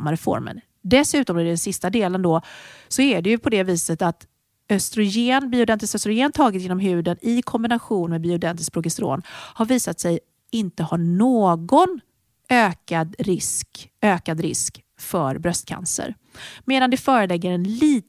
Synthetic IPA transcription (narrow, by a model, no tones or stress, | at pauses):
mːaɾɛfɔ̰ɾmə̰n | d̪ɛsʉ̟ːt̪ɔmɛd̪ɛnsɪst̪ad̪eːlənd̪ɔsɔæɖɛjɵpʰɔd̪ɛviːsət̪at̪ | œst̪ɾʊjeːnbɪʊd̪ɛnt̪ɪskœst̪ɾʊjeːnt̪ʰɑːɡɪt̪jeːnɔmɦʉ̟ːd̪ənɪkʰɔmbɪnaɧuːnmɛbiʊd̪ɛnt̪ɪsk̚pɾʊɡɪst̪ɾo̰ːnhaɾviːsat̪sɛj | ɪnt̪əhaɳoːɡɔn | øːkad̪ɾɪskøːkad̪ɾɪ̰sk | fœɾbɾœst̪̚kʰa̰nsə̰ɾ | meːd̪and̪ɛfœːɾəlɛɡːəɾɛnliːt̪